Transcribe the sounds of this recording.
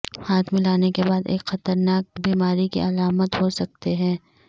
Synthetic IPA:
haːt̪ʰmɪlaːnekebaːd̪ḛːkxɐt̪əɾnaːk̚biːmaːɾikḭʔɐlaːmət̪ɦosɐk̚t̪eɦɛ̃ː

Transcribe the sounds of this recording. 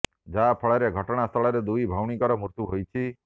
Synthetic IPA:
d͡ʒapʰɔɭeɾeɡʱɔʈɔɽ̃ast̪ʰɔɭɔɾed̪ujbʱawɽ̃ikɔɾɔmuɾt̪uɦojt͡ʃʰi

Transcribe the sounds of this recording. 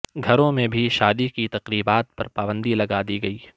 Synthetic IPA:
ɡʱɐɾõmẽbʱiʃaːd̪ikit̪ɐqɾiːbaːt̪̚pɐɾpaːbə̃nd̪ilɐɡaːd̪iɡɐiː

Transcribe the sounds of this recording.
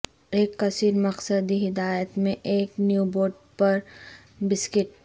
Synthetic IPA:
eːkːɐsiːɾmɐqsəd̪iɦɪd̪aːjət̪mẽʔeːknjuːboːɾɖ̚ | pɐɾ | bɪskɪʈ

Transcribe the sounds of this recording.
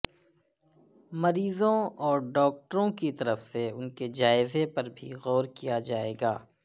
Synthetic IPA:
mɐɾiːzõɔːɾɖɔːk̚ʈəɾõkit̪ɐɾəfseʊnked͡ʒaːɪzepɐɾbʱḭɣɔːɾkijad͡ʒaːḛːɡaː

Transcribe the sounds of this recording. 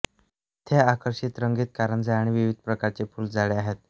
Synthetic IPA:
t̪ʰeakəɾɕit̪ɾəŋɡet̪̚kaɾənd͡zaaɽ̃iʋiʋid̪̚ʱpɾəkaɾt͡sepʰuːld͡zaɭeaɦet̪̚

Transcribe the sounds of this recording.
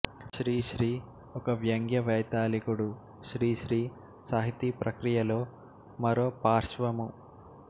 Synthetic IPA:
ʃɾiːʃɾiː | ɔkɐʋjɐŋɡjɐʋɛjt̪aːlikuɽu | ʃɾiːʃɾiː | saːɦit̪ipɾɐkɾijɐloː | mɐɾoːpaːɾʃʋɐmu

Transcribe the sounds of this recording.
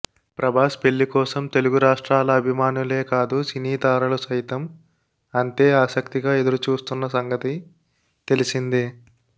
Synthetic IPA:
pɾɐbʱaːspe̞lːikɔːsɐmt̪e̞luɡuɾaːʂʈɾaːlɐːbʱimaːnule̞ːkaːd̪usiniːt̪aːɾulusɐjt̪ɐm | ɐnt̪eːaːsɐkt̪iɡaːe̞d̪ɐɾut͡ʃuːst̪unːɐsɐŋɡɐt̪i | t̪e̞lisind̪i

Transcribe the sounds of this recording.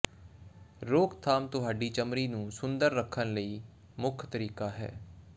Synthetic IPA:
ɾoːkt̪ʰaːmt̪ʊɦaːɖiːt͡ʃəmɾiːnũːsʊnd̪əɾːəkʰːənləiː | mʊkʰt̪əɾiːkaːɦɛ̰ː

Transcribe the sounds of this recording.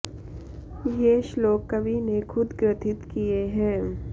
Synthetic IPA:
jeʃloːkːɐbʱinekʰʊd̪ɡɾɪt̪ʰɪt̪kieɦɛ̃ː

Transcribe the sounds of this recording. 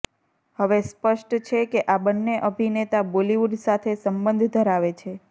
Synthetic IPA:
həʋespəʃʈt͡ʃʰekeʔabənːeʔəbʱinet̪aboliʋuɖ̪sat̪ʰesəmbə̃nd̪ʱd̪ʱəɾaʋet͡ʃʰe

